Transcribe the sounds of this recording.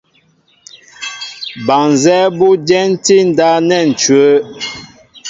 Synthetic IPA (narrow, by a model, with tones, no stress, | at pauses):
ba˨ŋ˨zɛ˦bu˦d͡ʒɛ˦n˦ti˦n̩˨da˦nɛ˦˨n̩˨t͡ʃɥə˨˦